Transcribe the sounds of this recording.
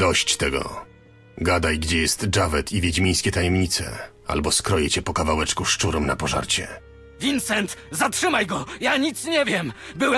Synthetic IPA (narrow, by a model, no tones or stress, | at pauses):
d̪ɔɕt͡ɕt̪ɛɡɔ̰ | ɡad̪ajɡd͡ʑɛjɛst̪d͡ʐavɛt̪ʰivʲjed͡ʑmʲijskʲɛt̪ajɛmɲit̪sɛ̰ | a̰lbɔskɾɔjɛt͡ɕɛpɔkavawɛt͡ʂkuʂt͡ʂuɾɔmna̰pɔʐa̰ɾt͡ɕɛ | vʲint̪sɛnt̪zatʂɘmajɡɔjaɲit̪sɲɛvʲjɛmbɘwɛ